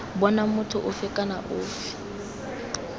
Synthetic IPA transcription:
bɔnamʊtʰʊʔʊfɪkʼanaʔʊːfi̥

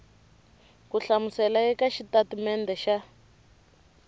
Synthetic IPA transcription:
kuɬamusɛlaɛkaʃitatumɛndɛʃa

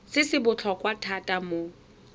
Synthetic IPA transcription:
sɪsɪbʊt͡ɬʰɔkʼwatʰatʼamo

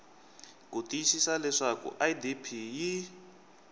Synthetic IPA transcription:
kutʼiisisalɛʂakṵʔajdipʰiji

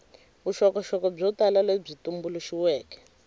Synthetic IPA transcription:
βuʃɔkɔʃɔkɔb͡ʐɔtalaleb͡ʐitumbuluʃiwɛːkɛ̥

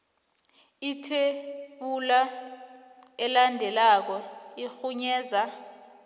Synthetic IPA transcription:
itʰeɓula | ɛlandʱɛlak̬ɔixuɲɛːza

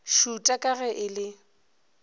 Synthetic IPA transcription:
ʃutʼakʼaɣɛʔɪlɪ

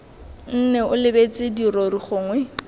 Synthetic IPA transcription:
n̩nɛʊlɪbet͡sʼɪdiroriχʊːŋwɛ

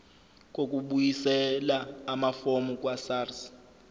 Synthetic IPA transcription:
k̬ʼok̬ʼuɓujisɛlaːmafomukʼwasaːrs

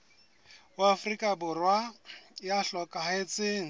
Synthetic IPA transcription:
ʊafrikʼabʊrwajaɬɔkʼaɦet͡sʼeːŋ̩

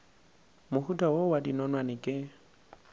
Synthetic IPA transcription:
mʊhutʰʼawowadinɔnwanɪkʼɪ

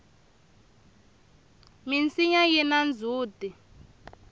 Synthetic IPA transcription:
mint͡siɲajinand͡zʱuːdʱi

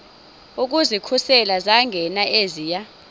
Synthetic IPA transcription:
uk̬ʼuzikʰusɛlazaŋɡʱɛnaʔeziːja

